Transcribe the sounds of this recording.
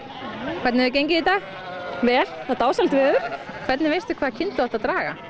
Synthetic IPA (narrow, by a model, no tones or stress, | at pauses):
kʰvɛɾt̪nɛvʏc̬ejɲc̬ɪit̪aːɣ | vɛːl̥θat̪aːwsɛm̥t̪vɪðʏɾ̥kʰvɛɾt̪nɪvejst̪ʏkʰvaːðcʰɪnt̪ʏaɔht̪aðt̪ɾaːɣa̰